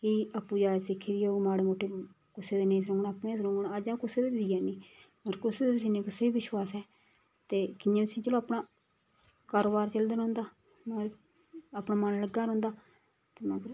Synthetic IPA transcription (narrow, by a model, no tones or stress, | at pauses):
kiːəpːũːd͡ʒaːsɪkʰːiːd̪iːoːmaːɽeːmoːʈʰːeː | kʊseːd̪eːnẽːs̬ɾõːŋɡnaːpnẽːs̬ɾõːŋɡnad͡ʒãːkʊseːd̪eːbzijaːnĩː | ɾkʊseːd̪eːt̪s̬iːnẽːkʊseːiːʋɪʃwaːsɛː | t̪eːkɪjãːt̪ʊsĩːt͡ʃəlõːpnaː | kaːɾoːbaːɾt͡ʃəld̪nõːnd̪aː | maː | aːpnaːmənləɡaːɾõːnd̪aː | t̪eːmaːɡɾ